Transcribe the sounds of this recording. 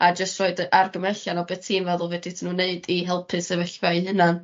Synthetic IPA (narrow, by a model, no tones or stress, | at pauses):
ad͡ʒəstrɔɨdarɡəmɛɬjanɔbɛtʰiːnvɛðʊlˠvɛditʰinuːneɨdiɦɛlˠpʰɨsəvəɬvaɨɦɨnan